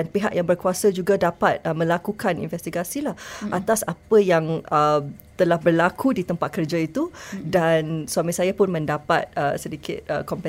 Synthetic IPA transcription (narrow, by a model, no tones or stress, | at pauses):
danpeɦaʔjaŋbərkuasad͡ʒuɡadapat̪̚əmə̃lakukanḭnfɛst̪iɡasilahʔat̪asapəjaŋəm | t̪əlahbərlakʰudit̪əmpat̪̚kərd͡ʒait̪udansamĩsajapʊnmə̃ndapa̰t̪̚ə̰sədikɪ̰t̪̚ə̰kɔmpɛ